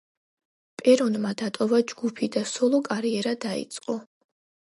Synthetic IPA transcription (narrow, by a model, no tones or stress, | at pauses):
pʼɛɾɔnmad̪at̪ʼɔvad͡ʒɡ̥upʰid̪asɔlˠɔkʼaɾiɛɾad̪aḭt̪sʼqʼɔ